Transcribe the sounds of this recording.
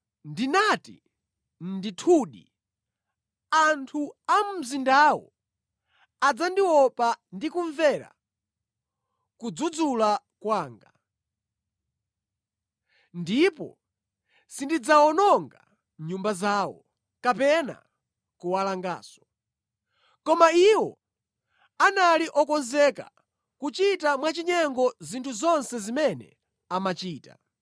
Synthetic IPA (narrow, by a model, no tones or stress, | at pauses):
ndinatḭ | nditʰuɗḭ | antʰuam̩m̩zindawɔ̰ | ad͡zandiwɔpandikuɱvɛɾa̰ | kud͡zud͡zula | kwaːŋɡa | ndipɔ̰ | sindid͡zaɔnɔŋɡa̰ | ɲumbazaːwɔ̰ | kapɛna̰ | kuwalaŋɡa̰ːsɔ̥ | kɔmaiwɔ | analiʔɔkɔnzɛka̰ | kut͡ʃitamwat͡ʃiɲɛŋɡɔzintʰuzɔnsɛzimɛnɛ̰ | amat͡ʃiːta̰